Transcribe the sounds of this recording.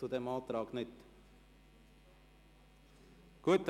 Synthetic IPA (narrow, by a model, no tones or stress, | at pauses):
ud̪ɛmɑːd̪ɾɑːɡnʏt̪ː | ɡ̥uət̪̚ː